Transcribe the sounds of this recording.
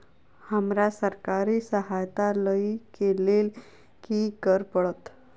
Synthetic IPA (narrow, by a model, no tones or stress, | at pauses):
həmɾasəɾkaɾisəɦajt̪aləikelel | kikəɾpəɭət̪